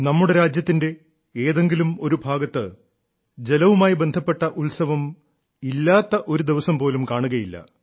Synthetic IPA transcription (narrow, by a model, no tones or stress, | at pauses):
nɐmːuɽe̞ɾaːd͡ʑjɐt̪ːinde̞ | eːðe̞ŋɡilumo̞ɾubʱaːɡɐt̪ːɨ | d͡ʑe̞lɐʋumaːjibe̞nd̪ʱɐpːe̞ʈːɐʔuɭsɐʋɐm | ilːaːt̪ːɐʔo̞ɾud̪iʋɐsɐmpo̞ːlumkaːɳuɣɐjilːɐ̰